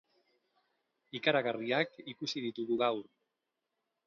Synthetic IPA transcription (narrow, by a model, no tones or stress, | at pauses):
ikaɾaɣariakikusiðit̪uɣuɣawɾ